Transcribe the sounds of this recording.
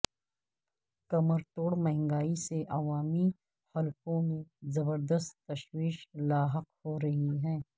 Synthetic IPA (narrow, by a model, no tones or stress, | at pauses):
kɐməɾt̪oːɽmɐɦŋɡaːiseʔɐʋaːmi | hɐlkõmẽzɐbəɾd̪əst̪ːɐʃwiːʃlaːɦɐqhoɾɐɦiɦɛ̃ː